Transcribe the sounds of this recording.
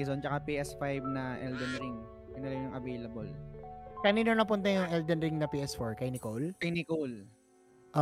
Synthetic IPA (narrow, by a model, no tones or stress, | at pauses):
zont͡ʃɐkapiːʔɛsfajb̚nɐʔɛld̪ɛnɾɪŋ | ɪnɐlɐmjʊŋʔɐvejlɐbolkɐniːnonɐpʊnt̪ɐjʊŋʔɛld̪ɛnɾɪŋnɐpiːʔɛsfoɹkɐjnɪkowlkɐjnɪkol | ʔo